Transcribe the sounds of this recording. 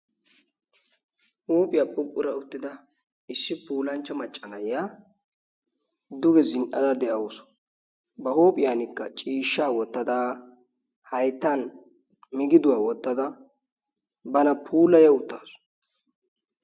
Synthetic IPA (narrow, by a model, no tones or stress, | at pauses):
huːpʼɪjaːpʼːʊkʼːʊɾɐʊt̪ːɪd̪ɐ | ɪsːɪpuːlɐnt͡ʃːɐmɐt͡ʃʼːɐnɐjɪjaː | d̪ʊɡɛzɪnʔɐ̰d̪ɐd̪ɛʔɐwɔsɔ̥ | bɐhoːpʼɪjaːnɪkːɐt͡ʃʼiːʃːaːwɔt̪ːɐd̪aː | hɐjt̪ːan | mɪɡɪd̪ʊwaːwɔt̪ːɐd̪ɐ | bɐnɐpʰuːlɐjɐʊt̪ːaːsʊ̥